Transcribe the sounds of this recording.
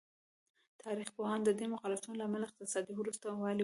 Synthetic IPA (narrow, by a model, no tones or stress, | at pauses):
t̪ʰɑɾixpohɑnd̪əd̪emʊqɑlɪsunolaːmalaɪq̚t̪ɪsɑd̪iwɾust̪awɑl